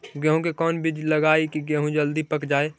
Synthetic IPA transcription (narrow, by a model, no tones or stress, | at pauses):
ɡɛ̃ːɦũkekɔːnbɪd͡ʒlɐɡaːikiɡɛ̃ɦũd͡ʒɐld̪ipɐkd͡ʒaːeː